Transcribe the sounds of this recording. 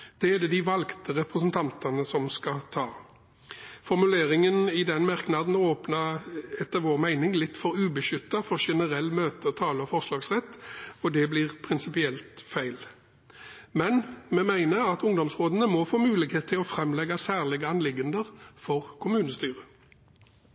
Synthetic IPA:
d̪̥ɛɛd̪ɛd̪ɪʋɑlɡt̪əʁɛpʁəs̬ənt̪ʰɑnt̪ɑnəsɔmskɑt̪ʰɑː | fɔʁmʉleːʁɪŋənɪd̪ɛnmɑʁknɑd̪n̩oːpnɑɛt̪ːəʋoːʁmæɪnɪŋlɪt̪ːfɔɾʉːbəʃʏt̪ːɑfɔʂɛnəʁɛlːmøːt̪ət̪ʰɑːləɔfɔʁslɑːɡsʁɛt̪ːɔd̪ɛblɪʁpʰʁɪnsɪpɪɛlt̪fæɪl | mɛnmɛmæɪnəɾɑt̪ʊŋd̪ɔmsʁoːd̪ənəmɔfoːmʉːlɪkheːt̪t̪ʰːɪlɔfɾɛmlɛɡɑsæːʁlɪɡəɑnlɪɡənd̪əʁfɔʁkʰʊmʉːnəst̪yːʁə

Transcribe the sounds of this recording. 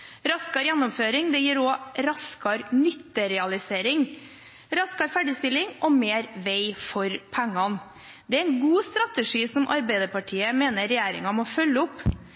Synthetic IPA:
ɾɑskɑɾjænːɔmføːɾɪŋd̪ɛjiːɾɔːɾɑskɑɾnʏt̪ːəɾɛɑlɪseːɾɪŋ | ɾɑskɑɾfæɖɪst̪ɪlɪŋʔɔmeːɾʋeɪfɔɾpʰæŋːɑn | d̪ɛæɾɛnɡuːst̪ɾɑt̪əʂiːsɔmʔɑɾbæɪd̪əpɑʈʰiːəmeːnəɾɛjæːɾɪ̰ŋɑmɔːfœlːəʊpː

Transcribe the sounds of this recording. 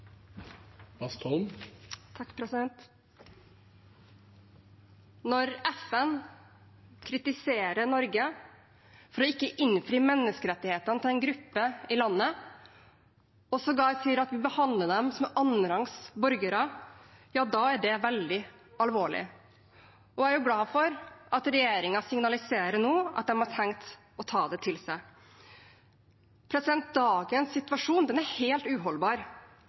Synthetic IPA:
bɑst̪ʰɔmt̪ʰɑkːpʰɾɛsɪd̪ɛnt̪ | nɔɾɛfɛn | kʰɾɪt̪ɪseːɾəɳɔɾɡə | fɔɾɔɪkːəʔɪnfɾiːmɛnːəskəɾɛt̪ːɪheːt̪ənət̪ʰɪlɛɪnɡɾʉpːəɪlɑnːə | ɔsɔɡɑːsiːəɾɑt̪ʋɪbəhɑnd̪ləd̪ɛmsɔmʔɑnəɾɑŋsbɔɾɡəɾɑjɑːd̪ɑːæɖɛʋɛld̪ɪ | ɑlʋoːɭɪ̰ | ɔæɾjʊɡlɑːfɔɾʔɑt̪ɾɛjeːɾɪŋɑsɪŋnɑlɪseːɾəɳoːʔɑ̰t̪̚d̪ɛmhɑʈʰɛŋt̪ | ɔt̪ʰɑːd̪ɛt̪ʰɪlsæɪ | pʰɾɛsɪd̪ɛnt̪̚d̪ɑːɡənsːɪt̪ʋɑʂuːnd̪ɛnæɾheːlt̪ʉːɦɔlbɑːɾ

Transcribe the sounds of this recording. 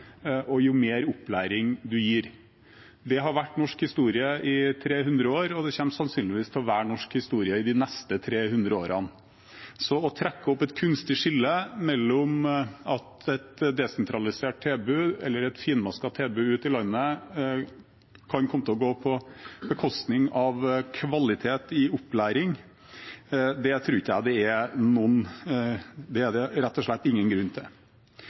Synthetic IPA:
ʔɔjʊmeːɾʊplæːɾɪŋd̪ʉjiːɾ | d̪ɛɦɑɾʋæʈːnɔʂkhɪst̪uːɾɪəʔɪt̪ʰɾeːɦʉnd̪ɾəoːɾɔd̪ɛçɛmsɑnsyːnlɪʋiːst̪ʰɛlʋæːɳɔʂkhɪst̪uːɾɪəɪd̪ɪnɛst̪ət̪ʰɾeːhʉnd̪ɾəo̰ːɾɑn | sɔɔt̪ʰɾɛkːəɔpːɛt̪kʰʉnst̪ɪʂɪlːəmɛlːɔmɑt̪ɛt̪d̪ɛsɛnt̪ʰɾɑlɪseːʈ̚t̪ʰeːbʉːɛ̰lːəɾɛt̪fiːnmɑskɑt̪ʰeːbʉʉːt̪ɪlɑnːə | kʰɑnkʰɔmət̪ɪɔɡoːpʰɔbəkʰɔst̪nɪŋɑʋkʰʋɑlɪt̪ʰeːt̪ɪʊpːlæːɾɪŋ | d̪ɛt̪ʰɾuːɾɪçːjæɪd̪ɛɛnɔn | d̪ɛːɖɛɾɛt̪ːɔʂɭɛt̪ːɪŋːənɡɾʉnːt̪ʰɪ

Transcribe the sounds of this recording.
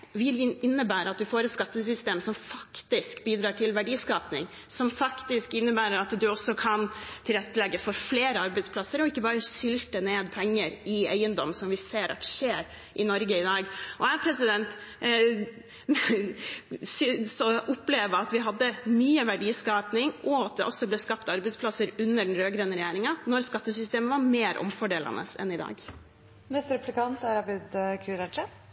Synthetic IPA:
ʋɪlɪɪnːəbæːɾəɑt̪̚d̪ʉfoːɾɛt̪skɑt̪ːəsʏst̪eːmsɔmfɑkt̪ɪskbiːd̪ɾɑːʈʰɪlʋæɖiːskɑːpnɪ̰ŋ | sɔmfɑkt̪ɪskɪnːəbæːɾəɾɑt̪d̪ʉɔsɔkʰɑnt̪ʰɪlɾɛt̪ːəlɛɡːəfɔɾfleːɾəɑɾbɛɪd̪spʰlɑsːəɾɔɪkːəbɑːɾəʃʏlt̪əneːd̪pʰɛŋːəɾɪæɪənd̪ɔmsɔmʋɪseːɾʔɑ̰t̪ːʂeːɾ | ʔɪnɔɾɡəɪd̪ɑːɡʔɔæpʰɾɛsɪd̪ɛnt̪ | sʏsɔʔʊpleːʋəɑt̪ʋɪɦɑd̪ːəmyːəʋæɖiːskɑːpnɪŋʔɔɑt̪̚d̪ɛʔɔsːɔbleːskɑpt̪ɑɾbɛɪsplɑsəɾʉnːəɖn̩ɾøːɡɾənəɾɛjæːɾɪŋɑnɔɾskɑt̪ːəsʏst̪eːməʋɑɾmeːɾʔɔ̰mfɔɖeːlɑ̰nə̰sɛ̰nɪd̪ɑ̰ːɡ | mɛst̪ɾɛplɪkɑnt̪æɾɑbɪd̪kʰʉɾɑd͡ʒə

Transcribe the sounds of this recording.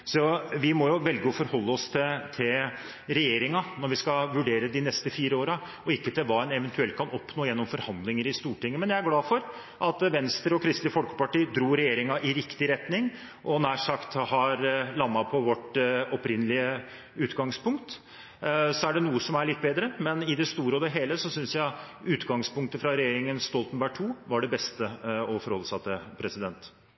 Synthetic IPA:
sɔʋɪmɔjʊʋɛlɡəɔfɔɾhɔlːəɔst̪ʰɪt̪ʰɪl | ɾɛjeːɾɪŋɑnɔɾʋɪskɑʋʉɖeːɾəd̪ɪnɛst̪əfiːɾəoːɾɑ | ɔɪkːət̪ʰɪlʋɑːɛnɛʋɛnt̪ʉɛlt̪̚kʰɑnɔpːnoːjɛnːɔmfɔɾhɑnd̪lɪŋəɾɪst̪uːʈɪŋːəmɛnjæɪæɾɡlɑːfɔɾ | ʔɑt̪ʋɛnst̪ɾəɔkʰɾɪst̪lɪfɔlkə̥pɑʈiːd̪ɾuːɾɛjeːɾɪŋɑʔɪɾɪkt̪ɪɾɛt̪nɪŋ | ʔɔnæːʂɑkt̪hɑɾlɑnːɑpʰɔʋɔʈɔpɾɪnːəlɪə | ʉːt̪ɡɑŋspʊŋkt̪ | sɔæɖɛnuːəsɔmæɭɪt̪̚ːbeːd̪ɾəmɛnɪd̪ɛst̪uːɾəɔd̪ɛɦeːləsɔsʏnsjæɪ | ʉːt̪ɡɑŋspʊŋkt̪əfɾɑɾɛjeːɾɪŋənst̪ɔlt̪nbæʈʰuːʋɑɖɛbɛst̪əɔfɔɾhɔlːəsɑt̪ːəpʰɾɛsɪd̪ɛnt̪

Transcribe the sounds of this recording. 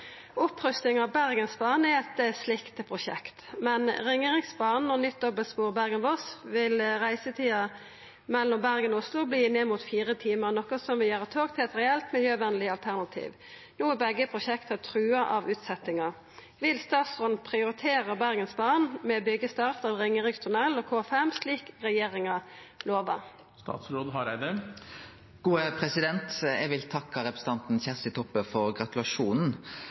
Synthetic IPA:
ʊpʁʏst̪nɪŋɑʋbæʁɡənsbɑːʁnɛɛt̪slɪkt̪əpʰʁʊʃɛ̰kt̪mɛnʁɪŋeːʁɪŋsbɑːʁnnɔnʏt̪̚d̪ɔbəlspuːʁbæʁɡənʋɔsʋɪlʁæɪsət̪ʰiːɑ | mɛlːɔmbæʁɡənʊslʊbliːneːmuːt̪fiːʁət̪ʰiːməʁnɔkəsɔmʋɪljøːʁət̪ʰoːɡt̪ʰɪlɛt̪ʁɛɛlt̪mɪljøːʋɛnəlɪɑlt̪ʰæʁnɑt̪ʰḭːʋ | nuːɛbɛɡːəpʰʁʊʃɛkt̪ʰət̪ʰɾʉːɑʔɑʋʉːt̪sɛt̪ːɪŋɑ | ʋɪlst̪ɑːt̪sʁɔnpʰʁɪʊʁɪt̪ʰeːʁəbæʁɡənsbɑːʁnmɛobʏɡəst̪ɑʁt̪ɑʋʁɪŋːəʁɪɡt̪ʰʉnɛlːoːkʰoːfɛmsliːkʁɛjeːʁɪŋɑ | loːʋɑ̰ | st̪ɑ̰ːt̪sɾoːd̪ɦɑɾæɪd̪ɛ | ɡ̥uːəpʰʁɛsɪd̪ɛnt̪ɛɡʋɪlt̪ʰɑkːɑɾɛpɾəsə̥t̪ɑnt̪n̩ɕæʁst̪ɪt̪ʰɔpːəfɔʁɡɾɑt̪ʉlɑʂuːnn̩

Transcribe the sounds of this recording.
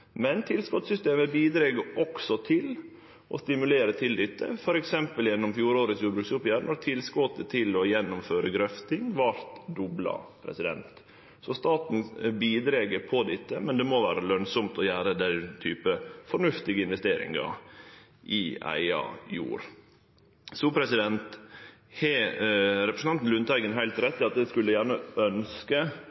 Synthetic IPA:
mɛnt̪ʰɪlskɔt̪sʏst̪eːməbiːd̪ɾeːɡəʔɔksɔt̪ʰɪl | ɔ̰st̪ɪmʉleːɾət̪ʰɪld̪ɪt̪ːə̰fɔɾɛksɛmpəljɛnːɔmfjuːɾoːɾəsjuːbɾʉːksʊpjæːɾnɔɾt̪ʰɪlskɔt̪ːət̪ʰɪlɔjɛnːʊmføːɾəɡɾœft̪ɪŋʋɑɾt̪d̪ɔblɑ̰pʰɾɛ̰sɪd̪ɛ̰nt̪ | sɔst̪ɑːt̪n̩biːd̪ɾeːɡəɾpʰɔd̪ɪt̪ːəmɛnd̪ɛmoʋæːɾəlœnsɔmt̪ʰɔjæːɾəd̪æt̪ʰyːpəfɔɳʉft̪ɪɡəɪnʋɛst̪eːɾɪ̰ŋɑ̰ | ʔɪʔæ̰ɪɑ̰jṵːɾ | sulpʰɾɛsɪd̪ɛnt̪ | hɛ | ɾɛpɾəsn̩ʰɑnt̪n̩lʉnt̪ʰæɪɡənɦæɪlt̪ɾɛt̪ːɪɑt̪̚d̪ɛskʉlːəjæːɳəœnskə

